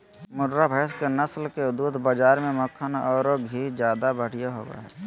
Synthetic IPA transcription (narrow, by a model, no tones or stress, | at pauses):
mʊɖɾabʱəːskenəslkeʊd̪uːd̪bad͡ʒaːɾmẽməkʰːənɔːɾoɡʱiːd͡ʒjaːd̪abəɽ̤ijaɦo̰ːɡa̰ɦɛː